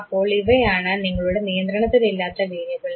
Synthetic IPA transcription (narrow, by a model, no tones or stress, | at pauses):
ɐpːo̞ːɭiʋɐjaːɳɐniŋːɐɭuɽenijɐnd̪ɾɐɳɐt̪ːililːaːt̪ːɐkeːɾjɐɣɐɭ